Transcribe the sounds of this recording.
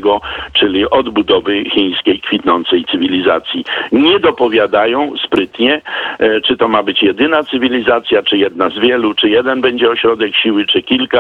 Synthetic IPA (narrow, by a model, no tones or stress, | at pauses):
ɡɔt͡ʂɘlʲiʔɔd̪bud̪ɔvɘxʲĩj̃skʲejkfʲit̪nɔnt̪sɛjt̪sɘvʲilʲizat̪sʲjiɲɛd̪ɔpɔvʲjad̪ajɔ̃w̃spɾɘt̪ɲɛt͡ʂɘt̪ɔmabɘt͡ɕjɛd̪ɘnat̪sɘvʲilʲizat̪sʲjat͡ʂɘjɛd̪̚nazvʲjɛlut͡ʂɘjɛd̪ɛnbɛɲd͡ʑɛɔɕɾɔd̪ɛkɕiwɘt͡ʂɘkʲilka